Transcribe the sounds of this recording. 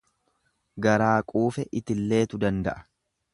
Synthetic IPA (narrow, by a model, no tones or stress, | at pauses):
ɡɐɾaːkʼuːfɛʔɪt̪ɪlːe̞ːt̪ʊd̪ɐnd̪ɐ̰ʔɐ̥